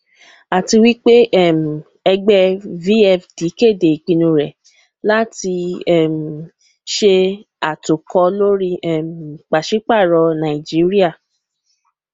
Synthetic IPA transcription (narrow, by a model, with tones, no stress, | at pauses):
a˨ti˧wi˦k͡pe˦ʔɛ˦˨m˨ | ɛ˧ɡ͡bɛ˧vi˦ɛ˦˨fdi˨˦ke˦˨de˨i˨k͡pĩ˧nũ˧ɾɛ˨ | la˦ti˧ɛ˦˨m˨ | ʃe˧ | a˨to˨kɔ˧lo˦ɾi˦ɛ˦˨m˨k͡pa˨ʃi˨˦k͡pa˦˨ɾɔ˧nã˨i˨d͡ʒi˨˦ɾi˦a˦˨